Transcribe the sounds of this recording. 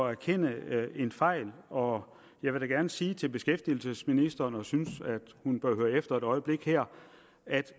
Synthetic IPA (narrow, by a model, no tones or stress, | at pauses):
ɒæɐkʰen̰əe̝nfɑ̈ɪ̰lɒ̽ | jɑ̈ɪʋe̝ɾ̥æɡ̥æɐnəsiːt͡sʰe̝lb̥e̝sɡ̥efd̥il̩səsminisd̥ɐːnɒ̽synsæd̥hunb̥ɶɐɦøːɐefd̥ɐe̝d̥ɒ̽ɪəb̥le̝ɡ̥hæɐ̰ | æd̥